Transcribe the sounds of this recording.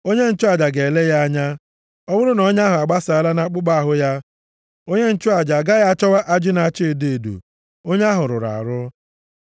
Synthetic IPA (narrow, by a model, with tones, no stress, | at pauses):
o˦ɲe˦n̩˦t͡ʃʊ˦a˨d͡ʒa˨ɡe˨le˦ja˦a˦ɲa˦ | ɔ˦bʊ˦ɾʊ˦nɔ˦ɲ˦a˦ɦʊ˨a˨ɡ͡ba˦sa˨a˨˦la˦na˦k͡pʊ˦ɡ͡ba˦a˨ɦʊ˦ja˦ | o˦ɲe˦n̩˦t͡ʃʊ˦a˨d͡ʒa˨ɡa˦ja˦a˦t͡ʃɔ˦wa˦ʔa˦d͡ʒɪ˦na˨t͡ʃe˦e˨de˦e˨dṵ˨ | o˦ɲe˦a˦ɦʊ˨ɾʊ̰˨ɾa̰˨a˨ɾʊ˦